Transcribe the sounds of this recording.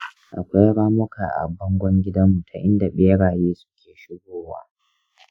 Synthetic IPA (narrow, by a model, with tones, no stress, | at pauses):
ʔa˨kʷa˦jɽaː˦mʊ˦kʰaː˨ʔa̰˨bɔ˦ŋɡʷɔ˦ŋɡʲɪ˦dɐ˦mːu˨tʰa˨ʔɪ˦nda˨ɓeː˦ɽaː˨jeː˦sʊ̥˦kʲeː˨ʃɪ˦ɡʷoː˦waː˦